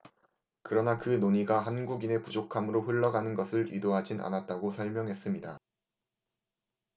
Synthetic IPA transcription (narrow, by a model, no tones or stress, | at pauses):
kɯɾʌnakɯnoɲiɡaɦanɡuɡine̞pud͡ʑokʰamɯɾoɸɯɭːʌɡanɯnɡʌsʰɯɾḭdoɦad͡ʑinʔa̰nat̚t͈aɡosʰʌɭmjʌŋɦe̞s͈ɯmɲida